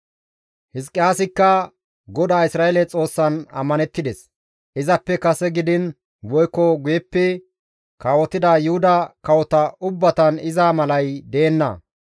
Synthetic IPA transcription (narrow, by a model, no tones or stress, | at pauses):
hɪskʼːɪjaːsɪkːɐ | ɡɔd̪aːɪsɾaːɛlɛt͡sʼo̞ːsːɐnɐ̰mːɐnɛt̪ːɪd̪ɛs | ʔɪzɐpːɛkɐsɛɡɪd̪ɪn | wɔjkːɔɡʊjɛpːɛ | kaːwɔt̪ɪd̪ajʊhʊd̪ɐkɐwɔt̪ɐʔʊbːɐt̪ɐnɪzaːmɐlɐjd̪eːnːɐ̰